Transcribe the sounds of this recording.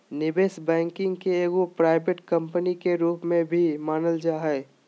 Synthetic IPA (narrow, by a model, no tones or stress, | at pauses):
nɪbeːsbɛ̃ːŋkɪ̃ŋɡkeeːɡopɾaːɪbeʈkə̃mpənikeɾuːpmẽbʱimaːnəld͡ʒaːɦɛː